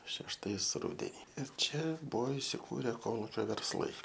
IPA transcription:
ʃʲɛʃˈtɐɪs ˈrʊdʲɛnʲɪ ɪr ˈt͡ʃʲɛ ˈbʊʋoː ɪsʲɪˈkuːrʲɛ ˈkoːlˠuːkʲoː ʋʲɛrsˈlˠɐɪ

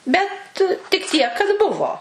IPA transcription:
ˈbʲɛt tʲɪk ˈtʲiɛk kɐt ˈbʊʋoː

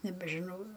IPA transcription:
nʲɛbʲɛʒʲɪˈnɐʊ

